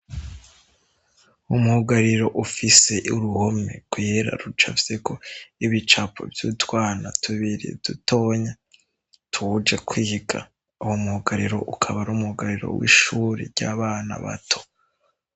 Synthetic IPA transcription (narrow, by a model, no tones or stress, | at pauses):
umuhuɡaɾiɾo̞ʔufise̞ʔuɾuhomḛɡ̥weɾa̰ɾut͡ʃafise̞ko̞iβit͡ʃapo̰vjutwaːnatʰuβiɾḭd̥uto̞ːɲa | tʰud͡ʒekwiːhiɡa | uhomuhuɡaɾiɾo̞̰ʔukʰaβaɾuːmuhuɡaɾiɾo̰wḭʃuːɾḭɾɟaːβaːna̰βa̰tʰo̥